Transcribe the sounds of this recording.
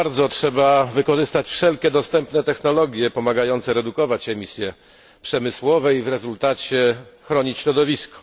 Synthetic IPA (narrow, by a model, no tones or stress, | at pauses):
aɾd̪zɔtʂɛbavɘkɔʐɘst̪at͡ɕfʂɛlkʲɛd̪ɔst̪ɛmpnɛt̪ɛxnɔlɔɡʲjɛpɔmaɡajɔnt̪sɛɾɛd̪ukɔvat͡ɕɛmʲisʲjɛ | pʂɛmɘswɔvɛivɾɛzult̪at͡ɕɛxɾɔɲit͡ɕɕɾɔd̪ɔvʲiskɔ̥